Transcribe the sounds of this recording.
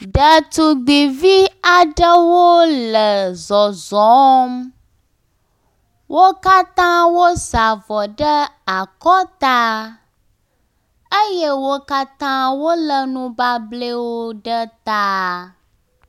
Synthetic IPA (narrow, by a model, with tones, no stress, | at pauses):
ɖə˨t̪u˨ɡ͡bi˨vi˦a˨ɖə˦wo˦lə˨zɔ˨zɔ˨˦m | wʔo˦ka˦t̪ã˦wo˦za˨vɔ˨ɖə˦a˨kɔ˦t̪a˦ | ə˦je˦wo˦ka˦t̪ã˦wo˦lə˨nũ˦ba˦ble˦wo˦ɖə˦t̪a˦